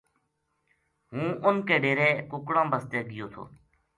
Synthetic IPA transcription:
ɦũːʊnkeːɖeːɾeːkʊkɽãːbəst̪eːɡɪjoːt̪ʰo̰ː

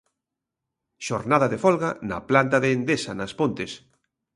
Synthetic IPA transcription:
ʃoɾnaðaðefɔlɣanɐ̰plant̪aðeːnd̪esɐnɐspont̪es

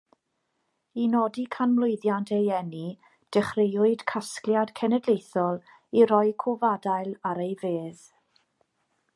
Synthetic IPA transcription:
inɔdikʰanmlˠʊɨðjantʰejɛni | d̥ɛχrejʊɨd̥kʰaskljad̥kʰɛnɛdlˠejθɔlˠ | iɾɔjkʰʊvadajlˠaɾejveːð̥

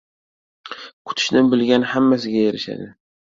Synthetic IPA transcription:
kʰʊ̥t̪ʰɪ̥ʃnɪnbɪlɡʲanhamːas̬ɪɡʲajeɾɪʃa̰d̪ɪ

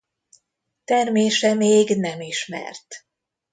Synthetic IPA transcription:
t̪ɛrmeːʃɛmeːɡnɛmiʃmɛ̰rt̪

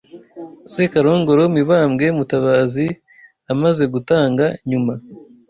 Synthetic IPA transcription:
sekaɾo̞ːŋɡo̞ɾomiβaːmɡe̞mutaβaːzi | amaze̞ɡutaːŋɡaɲuma

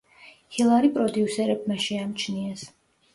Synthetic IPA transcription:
hilˠaɾipʼɾɔd̪iusɛɾɛb̚maʃɛamt͡ʃʰniɛs

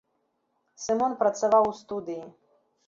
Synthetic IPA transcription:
sɨmɔnpɾɐt̪savawst̪ud̪ɨji

